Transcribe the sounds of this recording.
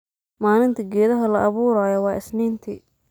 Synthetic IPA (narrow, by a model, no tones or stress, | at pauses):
maːlɪnt̪ʰɐɡɛːðɐɦɐlɐʔɐβuːɾaːjɔwɑːʔɪsniːnt̪ʰḭ